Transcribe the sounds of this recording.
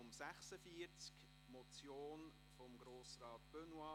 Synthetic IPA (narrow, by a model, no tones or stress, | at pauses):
ʊmsæχsəfiəɾt͡sk | mɔt͡sjoːn | fɔmɡɾoːsrɑːt̪b̥ønwɑ